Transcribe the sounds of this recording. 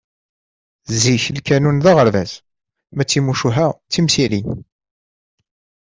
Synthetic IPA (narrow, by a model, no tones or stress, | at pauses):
ziçlkænunðaʁəɾvæz | mæt͡sːimuʃuɦæt͡sːimsilin